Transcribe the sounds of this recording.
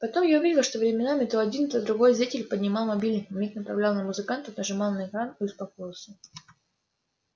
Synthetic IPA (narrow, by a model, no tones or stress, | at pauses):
pɐt̪o̞mjaʊvʲidʲɪlˠʂt̪ovɾʲɪmʲɪnamʲɪt̪oɐdʲint̪əd̪ɾʊɡojzɾʲitʲɪlʲpədʲnʲɪmalˠmɐbʲilʲnɨmʲiknəpɾɐvlʲalˠnəmʊzɨkant̪ənəʐɨmalˠnəɪkɾaniʊspɐkojɪlˠsʲə